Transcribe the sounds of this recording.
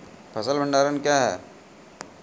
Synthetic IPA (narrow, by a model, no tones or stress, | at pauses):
pʰɐsəlbʱə̃ɳɖaːɾənkjaːɦɛ̰ː